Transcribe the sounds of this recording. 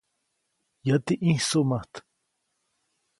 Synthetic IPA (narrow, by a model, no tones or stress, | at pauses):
jat̪iʔĩhsomaht̪